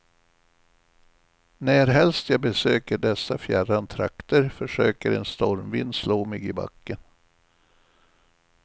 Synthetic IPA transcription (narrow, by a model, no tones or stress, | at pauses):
næːɾɦɛlst̪jɑːbɛsøːkəɖɛsːafjærant̪ʰɾa̰kt̪əɾfœʂøːkəɾɛ̰nst̪ɔɾmvɪnd̪sloːmɪɡɪba̰kːən